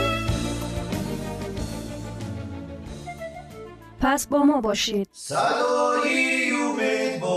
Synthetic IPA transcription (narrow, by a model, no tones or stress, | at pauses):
pʰæsbɒːmɒːbɒːʃiːd̪̥̚sad̪ɔijumetbɔ